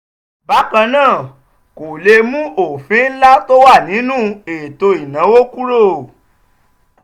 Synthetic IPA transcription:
ba˨˦kã˧nãː˦˨ | ko˨le˧mũ˦o˨fĩ˨˦n̩˦la˦to˦wa˦˨nĩ˨˦nũ˦e˨to˧i˨nã˨˦wo˦ku˦ɾo˦˨

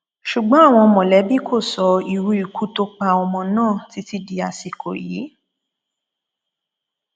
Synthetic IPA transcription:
ʃu˨ɡ͡bɔ̃˦a˦˨w̃ɔ̃˧mɔ̃˨lɛ˨˦bi˦kʰo˦˨sɔ˧i˨ɾu˧˦i˨ku˨˦to˧k͡pa˧ɔ˧mɔ̃˧nãː˦˨ti˨˦ti˦di˧a˧si˨ko˨jḭ˨˦

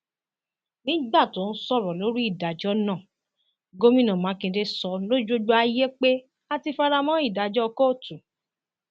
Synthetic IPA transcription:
nĩ˦ɡ͡ba˦˨to˨˦n̩˦sɔ˦˨ɾɔ˨lo˨˦ɾi˦i˦˨da˨d͡ʒɔ˦nã˦˨ | ɡo˦mĩ˦nã˨mãː˨˦kĩ˧de˧sɔ˧lo˦d͡ʒo˧d͡ʒu˧a˧je˦k͡pe˦ | a˦˧ti˧fa˦ɾa˧mɔ̃˦i˦˨da˨d͡ʒɔ˦˧ko˦˨tu˨

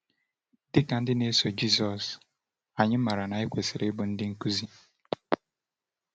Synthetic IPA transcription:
dɪ˦ka˨n̩˦dɪ˦ne˦so˨d͡ʒi˦˨zɔ˨s | a˨ɲɪ˦m̩˦ma˨ɾa˨na˨e˦kʷe˨sɪ˨ɾʔɪ˦bʊ˨n̩˦dɪ˦ŋ̩˦ku˦zi˦

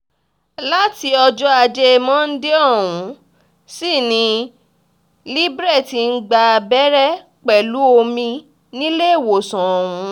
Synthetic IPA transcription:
la˦ti˧ɔ˧d͡ʒɔ˦a˧d͡ʒe˦˧mɔ̃˦n̩˦de˦ɔ˦˨wũ˨˦ | si˦˨nĩ˧˦ | li˦bɾɛ˦˨ti˨n̩˦ɡ͡ba˧bɛ˦ɾɛ˦ | k͡pɛ˨lu˨˦o˧mĩ˧ | nĩ˦le˦˨wo˨sã˨ɔ˨wũ˨˧˦

